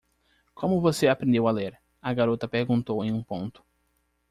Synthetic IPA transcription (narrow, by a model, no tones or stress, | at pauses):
kʰõmʊvoseapɾẽnd̪ewaleɾ | ɐɡaɾot̪ɐpeɾɡũnt̪owẽj̃ũpõnt̪ʊ̥